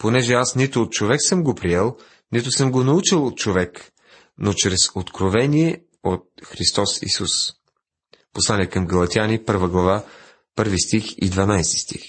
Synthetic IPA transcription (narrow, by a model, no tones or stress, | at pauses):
ponɛʒɛasnit̪ʊːt̪̚t͡ʃovɛksɤmɡopɾiɛlˠ | nit̪ʊsɤmɡonɐut͡ʃilˠot̪̚t͡ʃovɛk | not͡ʃɾɛsot̪kɾovɛnʲiɛ | ot̪̚xɾist̪ɔsḭsus | poslˠanʲɛkəmɡɐlˠɐt̪ʲianipɤɾvəɡlˠɐva | pɤɾvist̪ixḭd̪vɐnajst̪i̥st̪ḭx